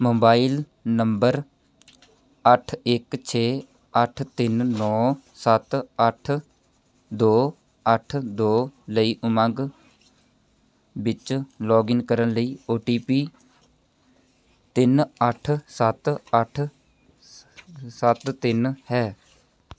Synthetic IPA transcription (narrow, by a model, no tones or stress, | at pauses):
moːbaːil | nəmbəɾ | əʈʰɪkt͡ʃʰeː | əʈʰt̪ɪnnɔː | sət̪əʈʰ | d̪oː | əʈʰd̪oːləiːʔʊmãɡ | bɪt͡ʃlɔːɡɪŋkəɾənləiːoːʈiːpiː | t̪ɪnəʈʰsət̪əʈʰ | sət̪t̪ɪnhɛː